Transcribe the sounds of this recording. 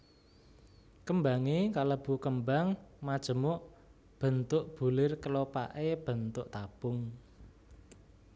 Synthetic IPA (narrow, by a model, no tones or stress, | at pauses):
kəmbaŋekaləb̥ṳkəmbaŋmad̥ʒ̥ə̤mʊʔ | b̥ə̤nt̪ʊʔb̥ṳlɪrkəlopa̰ʔeb̥ə̤nt̪ʊʔt̪ab̥ʊŋ